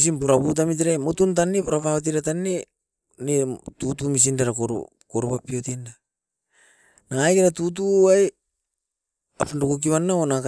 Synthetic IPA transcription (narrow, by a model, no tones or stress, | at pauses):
s̬inpoɾaput̬amit̬iɾajmotunt̬anːepoɾapaβat̬iɾatanːe | netutumis̬indaɾakoɾ̰ | koɾupapiotinda | naŋajkeɾatut̬uaj | apandokuk̬iβanːaonak